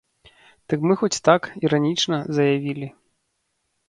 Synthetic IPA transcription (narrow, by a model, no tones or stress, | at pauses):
d̪̥ɨkmɨxɔt͡sʲt̪akiɾanʲit͡ʂnɐzɐjavʲilʲi